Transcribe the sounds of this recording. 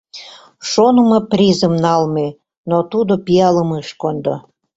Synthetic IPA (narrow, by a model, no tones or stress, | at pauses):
ʃonəmɤprʲizəmnɑlme | not̪ud̪opiɑləmɨʃkond̪o̰